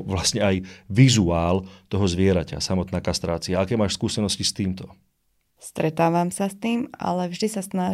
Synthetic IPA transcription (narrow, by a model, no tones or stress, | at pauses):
ʋlasɲɛajʋizuaːlt̪ɔɦɔzʋɪɛɾaca̰samɔt̪naːkast̪ɾaːt͡siaakɛːmaːʃskuːsɛnɔscist̪iːmt̪ɔ | st̪ɾɛt̪aːʋamsast̪iːma̰lɛvʒd̪isasna